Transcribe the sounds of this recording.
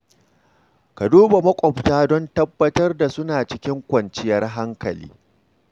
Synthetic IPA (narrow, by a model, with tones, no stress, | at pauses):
ka˨duː˦ba˨mɐ˦kʷʼɔ˨btaː˦dɔ˦ntɐ˦bːɐ˦tɐ˦rda˨sʊ˦naː˨t͡ʃɪ˦kʲɪ˦ŋkʷɐ˨nt͡ʃɪ˦jɐ˦rɦa˦ŋkɐ˨lḭː˦